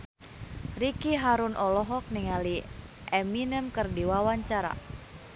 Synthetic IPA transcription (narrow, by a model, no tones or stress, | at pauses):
rikiɦaɾunʔɔlɔɦɔk̚niŋali | ʔɛminəmkərdiwawaɲt͡ʃaɾa̰